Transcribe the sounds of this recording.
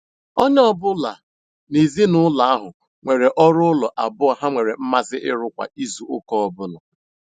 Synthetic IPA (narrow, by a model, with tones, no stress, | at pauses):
ɔ˦ɲ˦ɔ˦bʊ˦la˨ | ne˨zi˦nʊ˦la˨a˦ɦʊ˨ | ŋʷe˨ɾe˨ʔɔ˦ɾʊ˦ʊ˦lɔ˨ʔa˨bʊ˦a˨ɦa˦ŋʷe˨ɾe˨m̩˦ma˦zɪ˦ʔɪ˦ɾʊ˦kʷa̰˨i˦zu˨ʊ˦kɔ˦ɔ˦bʊ˦lɔ˨